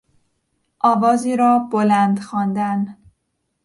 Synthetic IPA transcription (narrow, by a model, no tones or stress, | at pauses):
ʔɒːvɒːziːɾɒːbolænd̪xɒːnd̪æn